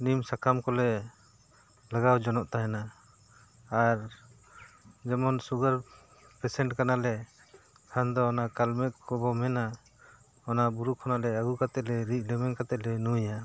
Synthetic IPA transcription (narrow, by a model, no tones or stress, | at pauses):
nimsakʰamkɔlɛ | laɡawd͡ʒɔnɔʔt̪aɦɛnaː | ɾ | d͡ʒɛmɔnsuɡaɾ | pɛsɛɳʈkanalɛ | kʰand̪ɔɔnakalmɛʔ̚kɔbɔmɛna | ɔnabuɾukʰɔnalɛaɡukat̪ɛʔlɛɾiʔ̚ˀlɛmɛnkat̪ɛʔlɛnuja